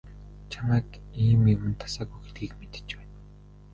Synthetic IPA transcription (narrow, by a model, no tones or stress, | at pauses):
t͡ɕʰamæːkiːmewɘ̆nt̪ʰːḁsaːɣujxet̪̚ɡiːkmet̪ɘ̥̆t͡ɕpæːn